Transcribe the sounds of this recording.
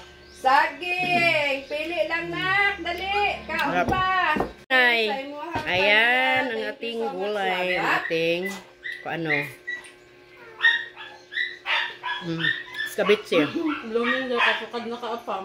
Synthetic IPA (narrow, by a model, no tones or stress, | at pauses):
saɡɪŋpilɪʔlaŋnak̚d̪alɪkaapa | ajjmuajanaŋat̪ɪŋɡulajaŋat̪ɪŋ | koano | kabɪt̪̚sblumiŋd͡ʒokasukad̪̚nakaʔapa